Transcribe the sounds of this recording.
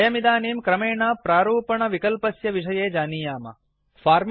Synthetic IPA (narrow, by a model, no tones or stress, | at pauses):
jɐmid̪aːniːmkɾɐmeːɳaːpɾaːɾuːpɐɳɐʋikɐlpɐsjɐʋiʂ̬ɐjeːd͡ʒaːniːjaːmɐ̰ | faːɾm